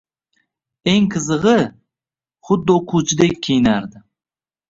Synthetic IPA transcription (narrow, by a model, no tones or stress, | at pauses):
eŋqʰɨzɨʁɨ | χʊd̪ːoqʰut͡ʃʰɪd̪ek̚ʲʰejnaɾd̪ɪ